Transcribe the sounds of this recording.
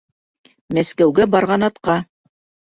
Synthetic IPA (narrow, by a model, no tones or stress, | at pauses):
mæskæwɡæbɑɾʁɑnɑt̪qɑ